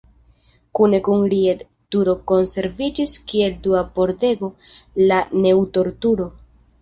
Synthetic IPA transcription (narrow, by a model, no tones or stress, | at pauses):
kune̞kuŋɾied | tuɾo̞ko̞nse̞ɾvid͡ʒiskie̞lduapo̞ɾte̞ɡo̞lane̞wto̞ɾtuɾo̞